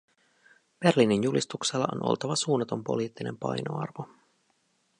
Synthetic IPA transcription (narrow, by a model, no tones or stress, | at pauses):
b̥e̞rlininjulist̪ukselːɑʔo̰nʔo̞̰lt̪ɑʋɑsuːnɑt̪o̞mpo̞̰liːt̪ːine̞mpɑ̰jno̞̰ɑ̰rʋo